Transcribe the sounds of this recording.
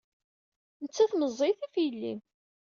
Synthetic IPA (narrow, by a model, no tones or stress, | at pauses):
nət͡sːæθməzˤːiθifjəlːḭm